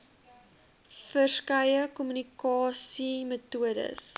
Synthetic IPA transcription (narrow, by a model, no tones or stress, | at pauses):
fərskɐjəkɔmynikɑːsimətuədə̰s